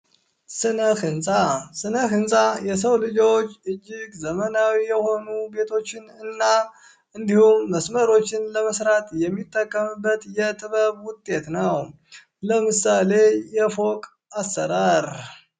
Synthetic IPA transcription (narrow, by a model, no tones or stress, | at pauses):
sɨnəkɨnsʼasɨnəkɨnsʼajɛs̬əwlɨd͡ʒo̞t͡ʃːɨd͡ʒːɪɡzəmənawijɛho̞nube̞t̪ʰo̞t͡ʃːɪnɨnːa | ɨnd̪ihumːəsməɾo̞t͡ʃːɪnləməsɾat̪ʼjɛmːit̪ʼːəkʼːəmɨbːət̪jɛt̪ʼɨβəβwʊt̪ʼːe̞t̪nəw | ləmɨsale̞jɛfo̞kʼ | asːəɾaɾ